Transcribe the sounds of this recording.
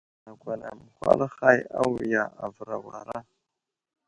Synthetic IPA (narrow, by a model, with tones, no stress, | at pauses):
na˨kʷa˨na˨mə˨xʷa̰˦lxa˦ja˦wi˨ja˨ʔa˨və˨ɾa˨wa˨ɾa˦